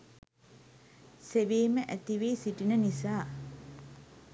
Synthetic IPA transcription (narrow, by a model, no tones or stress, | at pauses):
seʋeːməʔæt̪iʋeːsiʈinənisaː